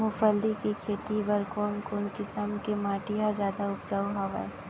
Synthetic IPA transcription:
mʊfəld̪ikikʰeːt̪ibɐɾkoːnkoːnkɪsəmkemaːʈijazjaːd̪aʊpd͡ʒaːuɦaʋa̰

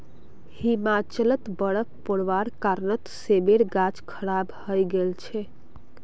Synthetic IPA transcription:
himat͡ʃələt̪bəɽəkpoɽʋaɾkaɾnət̪sebeɽɡat͡ʃkʰəɽabhəjɡelt͡ʃʰɛ

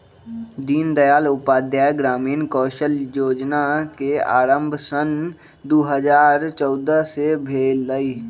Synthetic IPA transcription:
d̪iːnd̪əjaːlʊpaːd̪jaːjɡɾaːmiːnkɔːʃəljoːd͡ʒnakea̰ːɾə̃mbʱsən | d̪oːɦəd͡ʒaːɾt͡ʃɔːd̪əsebʱeːlːəi

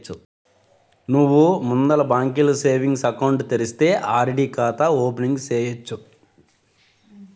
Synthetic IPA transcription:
t͡ʃːu | nuʋːumund̪ɐlɐbaːŋkiluseːʋiŋɡsɐkɐwɳʈt̪eɾist̪e̞ːʔaːɾeɽiːkaːt̪ɐoːpeniŋɡseːjɐt͡ʃːu

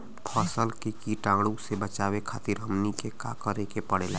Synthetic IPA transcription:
pʰəsəlkekiʈãɡɽusebət͡ʃawekʰaːt̪iɾɦəmnikekakəɾekepəɽ̤ela

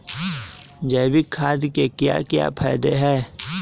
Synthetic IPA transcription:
d͡ʒeːbɪkʰːaːd̪ikekja̰ːkja̰ːpʰaːɪd̪eɦɛː

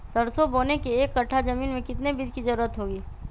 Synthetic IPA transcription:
sɐɽsoboːnekeeːkːɐʈʰːazɐmiːnmẽkɪt̪nebɪd̪kizɐɾuːɾət̪ɦoːɡiː

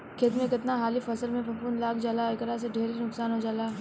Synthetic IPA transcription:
kʰeːt̪mẽkɪt̪naɦaːlifɐsəlmẽpɐ̃mpuːnlaːkʰd͡ʒalaɪkɾaseɖʱeːɾinʊksaːnɦod͡ʒaːlaː

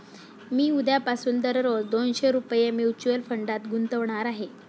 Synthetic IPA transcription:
miːud̪ʱjapasuːnd̪əɾɾod̪onɕeɾupjemjut͡ɕuəlfəɳɖat̪ɡunt̪əʋɳaɾaɦe

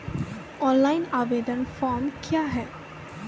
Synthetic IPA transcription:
ɔ̃nlaɪnaʋeɖ̪ənfɔɾmkjaɦɛ

